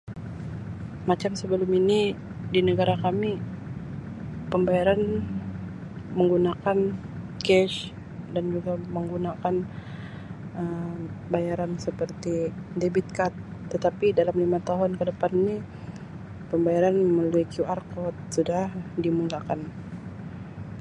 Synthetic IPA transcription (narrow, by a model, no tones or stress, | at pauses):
mat͡ʃamsəbəlʊmini | dinəɡaɾakami | pəmbajaɾan | məŋɡunakan | kɛʃ | dand͡ʒuɡaməŋɡunakan | ʔəbajaɾansəpərt̪idebit̪̚kat̪ːət̪apidalamlimat̪aɦʊnkədəpanːi | pəmbajaɾanməməluikjuarkɔt̪̚sudahdimulakan